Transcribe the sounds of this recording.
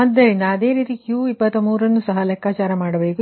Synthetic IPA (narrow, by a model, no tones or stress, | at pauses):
mɐd̪ːɐɾind̪ɐːd̪e̞ːɾiːt̪ikjuipːɐt̪ːɐmuːɾɐnːusɐɦɐlɛkːaːt͡ʃaːɾɐmaːɽɐbe̞ːku